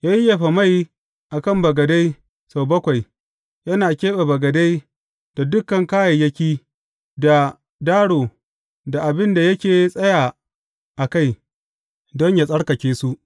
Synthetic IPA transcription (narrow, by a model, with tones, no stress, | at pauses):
jaː˦ji˦ja˨ɸa˨ma˦˨j | ʔa˨kɐ˦˨mbɐ˨ɡɐ˨da˦j | sa˨wbɐ˦kʷa˨j | jɐ˦naː˨kʲeː˦ɓa˨bɐ˨ɡɐ˨da˦j | d̥a˨dʊ˦kːɐ˨ŋkaː˦jɐ˨jɐ˦kʲiː˦ | da˨ | daː˦ɽoː˨ | da˨ʔa˨bɪ˦nda˨jɐ˦kʲeː˨˦sʼɐ˦jaː˨ | ʔa˨ka˦j | dɔ˦ɲja˨sʼɐ˦ɽkɐ˨kʲeː˦su˦ʔ